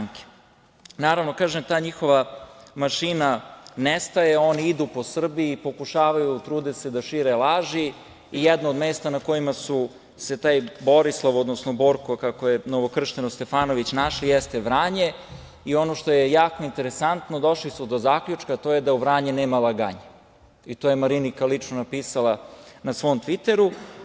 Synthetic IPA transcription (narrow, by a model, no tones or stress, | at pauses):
ŋke̥ | naːɾaʋno̞kaːʒemt̪aːɲixo̞ʋamaʃinanest̪ajeo̞niid̪upo̞sr̩biːpo̞kuʃaːʋajut̪ɾuːd̪esed̪aʃiɾelˠaːʒi | ijɛd̪noːd̪meːst̪anako̞jimasu | se̞t̪aːjbo̞ɾislˠoʋod̪nosnobo̞ɾkokakojenoʋo̞kr̩ʃt̪enost̪e̞faːno̞ʋit͡ɕnaʃlijɛst̪eʋɾaːɲe̞ | io̞noʃt̪o̞jejaːko̞int̪e̞ɾesant̪no̞d̪o̞ʃlisud̪ozaːkʎʲut͡ʃkat̪o̞ːjed̪auʋɾaːɲeneːmalˠaɡaɲa | it̪ojemaɾinikalit͡ʂnonapiːsalˠanasʋo̞ːmt̪ʋit̪e̞ɾu